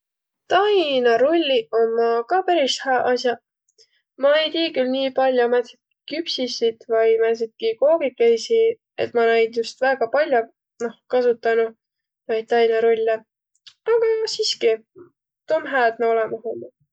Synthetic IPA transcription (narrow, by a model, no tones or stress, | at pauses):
t̪ɑjnɑɾolʲːio̞mːɑkɑːpæɾishæʔɑsjɑ | mɑe̞jt̪iːkylniːpɑlʲjomet̪sit̪̚ | kypsisid̪̥vɑjmæs̬it̪̚kiko̞ːɡ̥ikejsi | ḛt̪ˑmɑnæjd̪just̪væːɡ̥ɑpɑlʲjo | no̞hkɑs̬ut̪ːˑɑnu | nɑjd̪̚t̪ɑjnɑɾolʲːe | ɑɡ̥ɑsiːski | t̪omɦæːd̪̥̚neo̞lɛmɑhɦomːu